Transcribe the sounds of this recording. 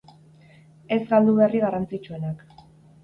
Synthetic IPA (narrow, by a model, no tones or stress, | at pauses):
e̞zɡald̪uβeriɣarant͡sit͡ʃue̞nak